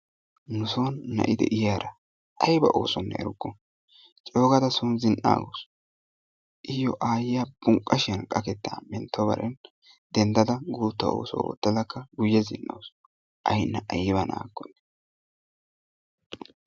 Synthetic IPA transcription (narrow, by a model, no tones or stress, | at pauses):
nʊsoːnːɐ̰ʔɪd̪ɛ̰ʔɪjaːɾɐ | ʔɐjbɐ̰ʔo̰ːsɔnːɛ̰ɛ̰ɾʊɡːɔ | t͡ʃʼo̞ːɡɐd̪ɐsunzɪnʔa̰ːɡos | ʔɪjɔʔaːjɪjabʊŋkʼːɐʃɛnkʼɐkɛt̪ːa̰mɛnt̪ʰːɔbɐ̰ɾʔɛn | d̪̥ɛnd̪ɐd̪ɐɡuːt̪ːɐo̰ːsɔo̰ːt̪ːɛd̪ɐkːɐɡʊjːɛzɪ̰nʔɐ̰ws | ʔɐjnːɐʔɐjɪβɐna̰ːɡːɔnːɛ